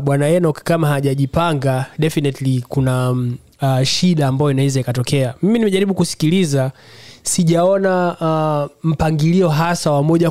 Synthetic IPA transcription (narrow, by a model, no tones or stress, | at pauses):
ɓwanajɛnɔkkamaɦaʄaʄipaŋɡaɗɛfinɛtlikuna | ʃiɗaːmbajɔinaɛzaikatɔkɛamiminimɛʄaɾiɓukusi̥kilizasiʄaɔna | m̩paŋɡiliɔɦasawamɔʄa